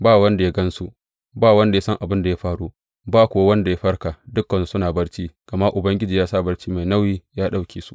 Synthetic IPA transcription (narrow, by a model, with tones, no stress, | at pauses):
baː˦wɐ˦nda˨ja˦ɡɐ˦nsu˦ | baː˦wɐ˦nda˨ja˦sɐ˦ŋʔa˨bɪ˦nda˨ja˦ɸaː˦ɽuː˦ | baː˦kʷʊ˨wa˦wɐ˦nda˨ja˦ɸɐ˦ɽka˨dʊ˦kːɐ˨n˨sʊ˦naː˨bɐ˦ɽt͡ʃiː˦ɡ̥ɐ˨ma˦ʔʊ˨bɐ˦ŋɡʲɪ˦d͡ʒiː˨jaː˦saː˦˨bɐ˦rt͡ʃiː˦ma˨jna˦wjiː˦jaː˦ɗa˦˨wkʲeː˨su̥˦